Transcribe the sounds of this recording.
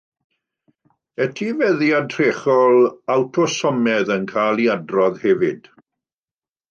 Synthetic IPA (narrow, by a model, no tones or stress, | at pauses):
ɛtʰivɛðiadr̥eːχɔlˠawtʰɔsɔmɛðənkʰajlˠiadrɔðhɛvɪd̥